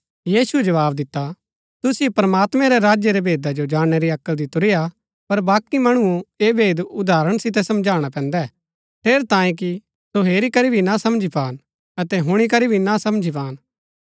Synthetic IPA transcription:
jiːsuɛd͡ʒɐʋaːbd̪ɪt̪ːa | t̪ʊsɪjepɾɐmaːt̪mɛ̃ɾɛɾaːd͡ʒjeɾɛbeːd̪ad͡ʒod͡ʒaːɽ̃ɛɾiɐkːəld̪ɪt̪ʊɾɪja | pɐɾbaːkimɐɽ̃ʊoeːbʱeːd̪ʊd̪aːɾəɽ̃sɪt̪̬ɛsɐ̃md͡ʒʱaːɽ̃apɛ̃ːnd̪ɛ | pʰeːɾt̪ãːẽk̬i | soɦeːɾikɐɾibʱinasɐmd͡ʒipaːn | ɐt̪ɛɦʊɽ̃ik̬ɐɾibʱinasɐmd͡ʒʱipaːn

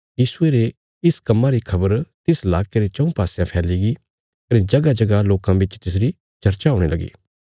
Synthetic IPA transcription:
jiːsʊeɾe | ɪskɐmːãɾikʰɐbəɾt̪ɪslaːkeɾet͡ʃɐ̃ũpaːsjãpʰɛːliɡi | kɐnẽd͡ʒɐɡad͡ʒɐɡaloːkãbɪt͡ʃt̪ɪsɾi | t͡ʃɐɾt͡ʃaoːɽ̃elɐɡḭː

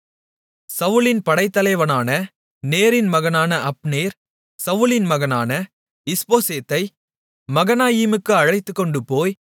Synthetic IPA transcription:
sɐʋɯlɪnpɐɽɐɪt̪ːɐlɐɪʋɐnaːnɐ | neːɾɪnmɐɣɐnaːnɐʔɐpneːɾ | sɐʋɯlɪnmɐɣɐnaːnɐ | ɪspoːseːt̪ːɐɪ | mɐɣɐnaːjiːmɯkːɯɐɻɐɪt̪ːɯkːɔɳɖɯpoːj

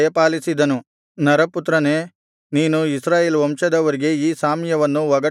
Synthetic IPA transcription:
jɐpaːlisid̪ɐnu | nɐɾɐput̪ɾɐne̞ː | niːnuisɾaːjeːlʋɐmʂɐd̪ɐʋɐɾiɡe̞iːsaːmjɐʋɐnːuʋɐɡɐ

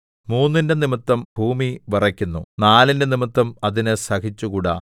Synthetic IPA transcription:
muːnːinde̞nimit̪ːɐmbʱuːmiʋɐrɐkʲːunːunaːlinde̞nimit̪ːɐmɐðinesɐkit͡ɕːukuːɽa̰

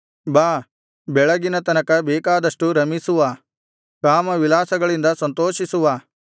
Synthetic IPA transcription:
baː | bɛɭɐɡinɐt̪ɐnɐkɐbeːkaːd̪ɐʂʈuɾɐmisuʋaː | kaːmɐʋilaːsɐɡɐɭind̪ɐsɐnt̪oːʃisuʋaː

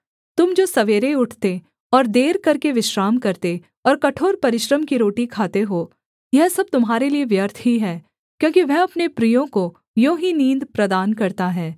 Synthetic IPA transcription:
t̪ʊmd͡ʒoːsɐʋeːɾeʊʈʰt̪e | ɔːɾd̪eːɾkɐɾkeʋɪʃɾaːmkɐɾt̪e | ɔːɾkɐʈʰoːɾpɐɾɪʃɾəmkiɾoːʈikʰaːt̪eɦoː | jɛɦsɐb̚t̪ʊmɦaːɾelieʋjəɾt̪ʰɦiɦɛː | kjõːkiʋɛɦɐpnepɾijõko | jõːɦinĩːnd̪pɾɐd̪aːnkɐɾt̪aɦɛː

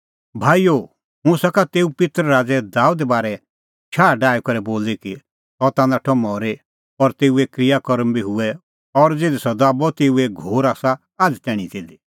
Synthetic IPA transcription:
bʱaːijo | mũsakat̪eːupɪt̪ɾɾaːd͡zɛd̪aːud̪ɛbaːɾɛ | t͡ʃʰaːɖaːjkɐɾɛboːliki | ɦɔt̪ãːnd̪aʈʰɔmɔɾe | ɔɾt̪eːuɛkɾijakɔɾəmbiɦʊɛ | ɔɾd͡zeːd̪ɛsɔd̪aːbɔt̪eːuɛɡʱoːɾaːsa | aːd͡zt̪ɛːɽ̃ĩt̪eːd̪i

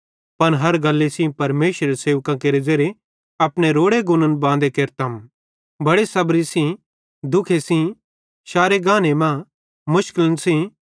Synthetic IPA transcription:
pɐnɦɐɾɡɐlːesĩpɐɾmeːʃɾeeseːʋkãkeːɾed͡ʒɐɾe | ɐpɽ̃eɾoːɽeɡʊnənbãːnd̪ekeːɾt̪ɐm | bɐɽesɐbɾisĩ | d̪ʊkʰesĩ | ʃaːɾeɡãːnemã | mʊʃkələnsĩ

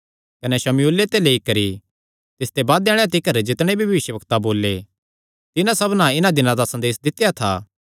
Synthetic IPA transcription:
kɐnɛʃɐmjuːlet̪eleːikɐɾi | t̪ɪst̪ebaːd̪ɛːɽ̃at̪̬ɪkəɾd͡ʒɪt̪ɽ̃ebʱiʋʋɪʃjəbɐkt̪aboːlːe | t̪ɪnãsɐbnãɪnãd̪ɪnãd̪asɐ̃nd̪eːsd̪ɪt̪ːjat̪ʰa̰ː

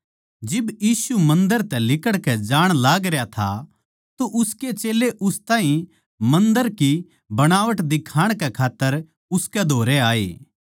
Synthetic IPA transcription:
d͡ʒɪbjiːsumɐ̃nd̪əɾt̪ɛlɪkəɽkɛd͡ʒaːɽ̃laːɡɾejat̪ʰa̰ | t̪oʔʊsket͡ʃeːleʔʊst̪aːɦĩ | mɐ̃nd̪əɾki | bɐɽ̃aːʋəʈd̪ɪkʰaːɽ̃kɛkʰaːt̪ːəɾ | ʊskɛd̪ʱoːɾɛaːḛː

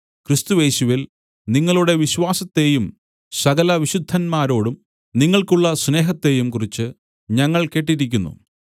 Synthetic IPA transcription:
krist̪uje̞ːɕuʋil | niŋːɐɭuɽe̞ʋiɕʋaːsɐt̪ːe̞jum | sɐɡɐlɐʋiɕud̪ʱːɐnmaːɾo̞ːɽum | niŋːɐɭkuɭːɐsne̞ːɦɐt̪ːe̞jumkurit͡ɕːɨ | ɲɐŋːɐɭke̞ːʈ̬ːiɾikʲːunːṵ

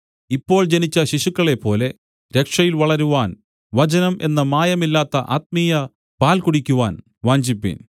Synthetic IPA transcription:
ipːo̞ːɭd͡ʑenit͡ɕːɐɕiʂukːɐɭe̞pːo̞ːle̞ | ɾe̞kʂɐjilʋɐɭɐɾuʋaːn | ʋɐt͡ɕɐnɐmʔe̞nːɐmaːjɐmilːaːt̪ːɐʔaːt̪̚mijɐ | paːlkuɽikʲːuʋaːn | ʋaːɲd͡ʑipːḭn

